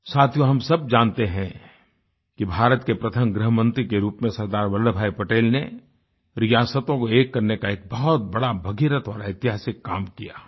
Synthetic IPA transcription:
saːt̪ʰjõɦɐmsɐbd͡ʒaːnt̪eɦɛ̃ | kibʱaːɾət̪kepɾɐt̪ʰəmɡɾɪɦəmə̃nt̪ɾikeɾuːpmẽsɐɾd̪aːɾʋɐlɖəbʱaːipɐʈeːlne | ɾɪjaːsət̪õkoeːkːɐɾnekaeːk̚bɐɦɔt̪̚bɐɽabʱɐɡiɾət̪ɔ̰ːɾaɪt̪ɪɦaːsɪkːaːmkija̰ː

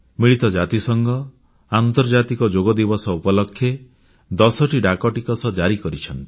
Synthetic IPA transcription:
miɭit̪ɔd͡ʒat̪isɔŋɡɔ | ant̪ɔɾd͡ʒat̪ikɔd͡ʒoɡɔd̪ibɔsɔupɔlɔkʰːje | d̪ɔsɔʈiɖakɔʈikɔsɔd͡ʒaɾikɔɾit͡ʃʰɔnt̪i̥

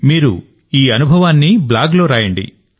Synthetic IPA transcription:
miːɾṵ | iːɐnubʱɐʋaːnːiblaːɡlo̞ːɾaːjɐɳɖḭ

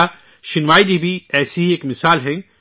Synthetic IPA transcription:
ʃɪnwaːidibiɛːsiɦieːkmɪsaːlɦɛ̃

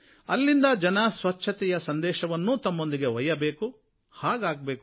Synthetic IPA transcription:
ɐlːind̪ɐd͡ʒɐnɐsʋɐt͡ʃːʃʰɐt̪ɛjɐsɐnd̪ɛːʃɐʋɐnːuːt̪ɐmːo̞nd̪iɡe̞ʋɐjɐbeːku | haːɡaːɡ̚beːk

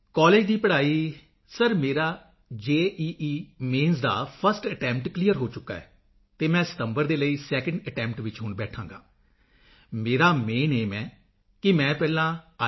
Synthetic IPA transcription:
kɔːleːd͡ʒd̪iːpəɽaːiː | səɾmeːɾaː | d͡ʒeːʔiːʔiːmẽːnzd̪a̰ːpʰəɾsʈəʈɛ̃ːmpʈklijəɾɦoːt͡ʃʊkːa̰ːɛ̰ː | t̪eːmɛ̃ːsə̥t̪əmbəɾd̪eːləiːsɛːkə̃ɳɖəʈɛ̃ːmpʈʋɪt͡ʃɦʊɳbɛːʈʰãːŋɡa̰ː | meːɾaːmeːneːmɛ̃ː | kɪmɛ̃ːpɛːlãː

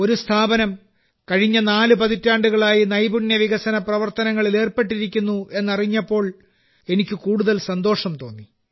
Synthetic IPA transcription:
o̞ɾust̪ʰaːbɐnɐm | kɐɻiɲːɐnaːlupɐðitːaːɳɖuɣɐɭaːjinɐjbuɳjɐʋiɣɐsɐnɐprɐʋɐrt̪ɐnɐŋːɐɭile̞ːrpe̞ʈːiɾikʲːunːuʔe̞nːɐriɲːɐpːo̞ːɭ | e̞nikʲːɨkuːɽuðɐlsɐnd̪o̞ːʂɐmt̪o̞ːnːi

